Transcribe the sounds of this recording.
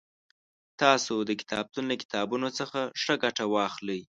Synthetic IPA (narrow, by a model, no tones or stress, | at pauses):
t̪ɑsod̪əkɪ̥t̪ʰɑb̚t̪unekɪ̥t̪ɑbunot͡səxaʂəɡaʈawɑxləj